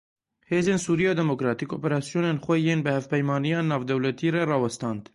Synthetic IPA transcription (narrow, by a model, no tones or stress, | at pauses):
heːzeːnsuːɾijɑːd̪ɛmokɾɑːt̪iko̰ːpeɾɑːsijoːneːnxʷɛjeːnbɨhɛvpɛjmɑːnijɑːnɑːvd̪ɛwlɛt̪iːrɛrɑːwɛst̪ɑːnd̪